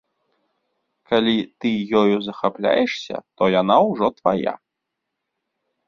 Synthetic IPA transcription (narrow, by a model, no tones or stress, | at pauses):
kalʲit̪ɨjɔjuzɐxaplʲa̰jɛʂsʲɐ̰t̪ɔjanawʐɔt̪vaja̰